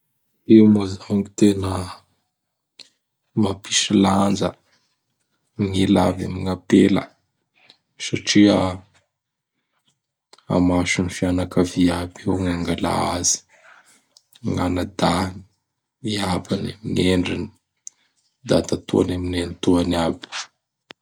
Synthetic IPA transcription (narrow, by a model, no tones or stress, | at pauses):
ewmozaŋit̪enə | mapiʃiland͡zə̰ | ŋila̰va̰miŋapelə̰ | saʈ͡ʂia | a̰maʃunifianakaviabewŋaŋɡala̰az̥i̥ | ŋanad̪aŋi | iabanamiŋeɳɖ͡ʐini̥ | d̪at̪at̪ṵa̰naminent̪uaniab̥